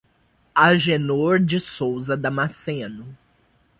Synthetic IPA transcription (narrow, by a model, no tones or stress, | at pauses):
aʒenoɾd͡ʒɪsowzɐd̪ɐmasẽnʊ